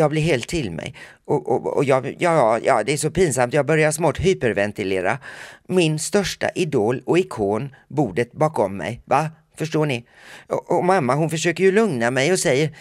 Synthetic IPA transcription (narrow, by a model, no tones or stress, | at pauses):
jɑːɡblɪɾɦeːlt̪ʰːɪlmɛ̰j | ɔʔɔ̰ɔ̰jɑːɡjɑːjɑ̰ːd̪ɛæʂɔpiːnsamt̪jɑːɡ̚bœɾjasɔmɔːt̪ɦyːpəɾvɛnt̪ɪleːɾa̰mɪnst̪œʂʈa̰ʔɪd̪oːlɔɪkʰoːnbuːɖət̪̚bɑːkɔmːɛ̰jva | fœʂʈoːɳɪ | ɔɔmamːaɦʊnfəʂøːkəɾjɵlɵŋnamɛjɔsɛjːəɾ